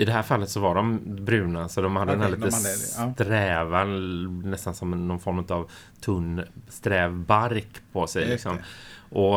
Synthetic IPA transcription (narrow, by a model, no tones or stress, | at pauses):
ɪd̪ɛɦæːɾfalːət̪sɔvaɖɔmbɾʉ̟ːnasɔd̪ɔmhad̪ːənhælit̪ət̪ɾɛːvanɛst̪ansɔmɛnːɔnfɔɾmʉːt̪av | t̪ʰɵnst̪ɾɛːvbaɾkpʰɔsɛjlɪksɔmʔɔ